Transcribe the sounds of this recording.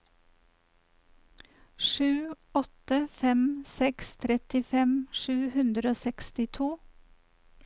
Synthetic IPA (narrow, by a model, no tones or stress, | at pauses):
ʃʉː | ɔt̪əfɛmsɛkst̪ʰɾɛt̪ɪfɛmʃʉːhʉnd̪ɾoːsɛkst̪ɪt̪ʰuː